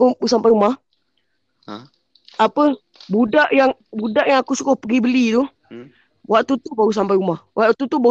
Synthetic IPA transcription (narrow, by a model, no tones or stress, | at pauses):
ubsampajumah | apə | budaʔjaŋbudaʔjaŋakusukɔhpəɡibəlit̪u | wʔaʔt̪ut̪ubaɡus̬ampajumahwaʔt̪ut̪uba